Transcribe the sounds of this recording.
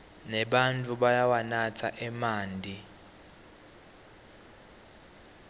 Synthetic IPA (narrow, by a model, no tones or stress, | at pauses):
nɛɓantʼuɓajawanatʰa̰ʔɛmaːndʱi